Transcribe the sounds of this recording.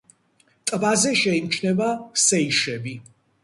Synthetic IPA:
t̪ʼbazɛʃɛimt͡ʃʰnɛbasɛiʃɛbi

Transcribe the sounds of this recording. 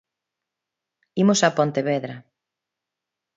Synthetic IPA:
imosapont̪eβɛðɾɐ

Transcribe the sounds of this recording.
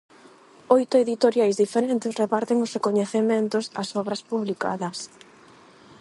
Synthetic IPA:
ojt̪ʊeðit̪oɾjajzðifeɾent̪ɪsrepaɾt̪ɪŋʊsrekoɲeθemẽnt̪ʊsɐ̰sɔβɾɐspuβlika̰ðɐs

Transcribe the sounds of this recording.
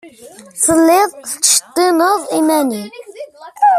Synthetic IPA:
səlːiðˤt͡ʃt̪ːinəðˤimæni

